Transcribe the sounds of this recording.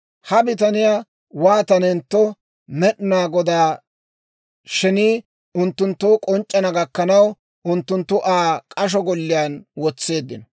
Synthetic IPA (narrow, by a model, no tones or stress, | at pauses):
hɐbɪt̪ɐnɪjaː | waːt̪ɐnɛnt̪ːɔ | mɛɗnaːɡɔd̪aː | ʃɛniː | ʊnt̪ːʊnt̪ːʊkʼɔnt͡ʃʼːɐnɐɡɐkːɐnɐw | ʊnt̪ːʊnt̪ːʊʔaːkʼɐʃ̬ɔɡɔlːɪjaːnwɔt͡sːe̞ːd̪ːɪnɔ